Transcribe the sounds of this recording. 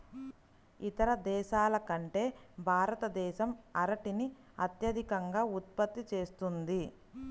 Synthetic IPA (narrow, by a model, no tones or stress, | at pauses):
it̪ɐɾɐd̪ɛːʃaːlɐkɐɳʈe̞ːbʱaːɾɐt̪ɐd̪ɛːʃɐmɐɾɐʈini | ɐt̪jɐd̪ʱikɐŋɡaːut̪̚pɐt̪ːit͡ʃe̞ːst̪und̪i